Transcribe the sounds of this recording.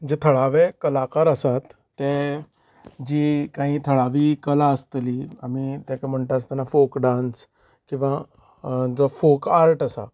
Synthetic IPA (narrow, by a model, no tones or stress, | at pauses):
d͡ʑet̪ʰəɭaʋekəlakaɾasat̪ː | e | d͡ʑiːkãɦĩːt̪ʰəɭaʋiːkəlaəst̪liamit̪ɛ̃kam̤əɳʈ̪aəst̪ənafokɖãns | kĩw̃ʋa | d͡zɔfokaɾʈəsa̰